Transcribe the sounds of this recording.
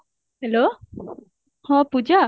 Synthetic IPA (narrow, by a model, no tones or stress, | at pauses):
hɛlo | hɔ̃pud͡ʒa